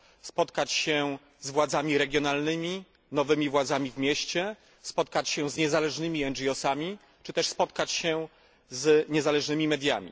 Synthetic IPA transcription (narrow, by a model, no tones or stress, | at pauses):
spɔt̪kat͡ɕɕɛ | zvwad̪zamʲiɾɛɡʲjɔnalnɘmʲi | nɔvɘmʲivwad̪zamʲivmʲjɛɕt͡ɕɛ | spɔt̪̚kat͡ɕɕɛzɲɛzalɛʐnɘmʲiɛnd͡ʒiɔsamʲi | t͡ʂɘt̪ɛʂspɔt̪kat͡ɕɕɛ | zɲɛzalɛʐnɘmʲimɛd̪ʲjamʲḭ